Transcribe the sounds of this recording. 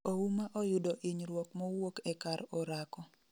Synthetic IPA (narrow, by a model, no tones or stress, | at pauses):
oumaʔɔjʊdɔʔiɲɾwɔkmɔwokɛkaɾɔɾakɔ